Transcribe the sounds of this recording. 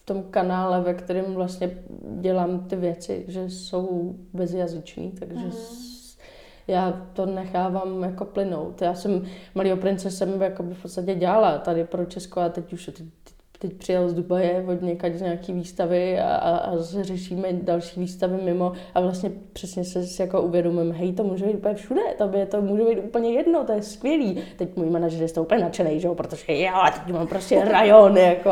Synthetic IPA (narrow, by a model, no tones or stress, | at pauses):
ft̪o̞mkanaːlɛvɛkt̪ɛɾɪmvlast̪ɲɛɟɛlaːmt̪ɪvjɛt͡sɪ̰ʒɛso̞wbɛzjazɪt͡ʃnḭːt̪aɡʒɛs | jaːt̪o̞nɛxaːvamjako̞plɪno̞wt̪jaːsɛmmaliːɦo̞pɾɪnt͡sɛsɛmjako̞bɪfpott͡sst̪acɛɟaːlat̪adɪpɾot͡ʃɛskoat̪ɛcuʃt̪ɛ | t̪ɛc̚pr̝̥ɪjalzdubajɛvodɲɛkaczɲaːkiːviːst̪avɪa̰ʔa̰a̰zsɛrɛʃiːmɛdalʃi̥ːviːst̪avɪmɪmo̞ʔavlast̪ɲɛpr̝̥ɛsɲɛsɛsɪjakoʔuvjɛdomɪmɦɛjt̪omuːʒɛbejt̪̚upəɲɛfʃudɛt̪obɪɛt̪omuːʒɛbɛjt̪ʔupl̩ɲɛjɛdnot̪ojɛskʋjɛliːt̪ɛcmojmanaʒɛɾjɛst̪oʔupəɲɛnat͡ʃɛnɛjʒɛopɾot̪oʒɛjoat̪ɛcumaːmpɾoscɛɾajonjako